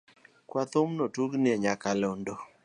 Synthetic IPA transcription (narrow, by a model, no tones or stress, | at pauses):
kwat̪ʊmnotuɡnɪeɲakalondɔ